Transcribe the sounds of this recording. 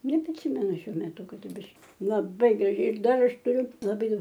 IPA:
nʲɛpʲrʲɪˈsʲɪmʲɛnʊ ˈʃʲuɔ mʲɛˈtʊ kɐˈdʊ ˈbʲɪʃ lˠɐˈbɐɪ ɡrɐˈʒʲɛɪ ɪr ˈdɐr ˈɐʃ tʊˈrʲʊ lˠɐˈbɐɪ ˈdɐʊk

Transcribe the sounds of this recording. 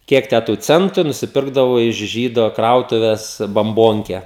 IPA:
ˈkʲiɛk tʲæ tʊ ˈt͡sʲɛntʊ ɪ nʊsʲɪˈpʲɪrɡdɐʋoː ɪʃ ˈʒʲiːdoː ˈkrɐʊtʊʋʲɛs bɐmˈboːŋʲkʲɛ

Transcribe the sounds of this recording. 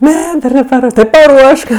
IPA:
ˈnʲɛ ˈdɐr nʲɛpɐˈruɔʃtoːs ˈtʲɪ pɐˈruɔʃk

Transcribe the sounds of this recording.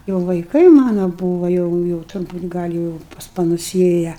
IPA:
jɛʊ ʋɐɪˈkɐɪ ˈmɑːnoː ˈbuːʋɐ jɛʊ jɛʊ tʊrˈbuːt ˈɡɐlʲ jɛʊ ɪ pɐs pɐˈnʊs ˈeːjɛ

